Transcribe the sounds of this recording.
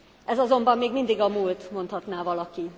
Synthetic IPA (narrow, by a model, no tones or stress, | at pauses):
ʔɛzɒzo̞mbɒmːeːɡmind̪iɡɒmuːlt̪mo̞nt̪hɒt̪naːvɒlɒki